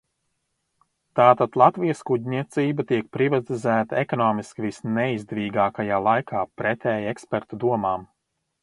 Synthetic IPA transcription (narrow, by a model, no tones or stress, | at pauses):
t̪aːt̪at̪lˠat̪vijəskuɟʲnʲiɛt̪siːbat̪iɛk̚pɾivat̪izæːt̪aɛkɔnɔːmiskivisnɛizd̪ɛviːɡaːkajaːlˠajkʰaːpɾɛt̪ʲɛːjɛkspɛɾt̪ud̪uɔmaːm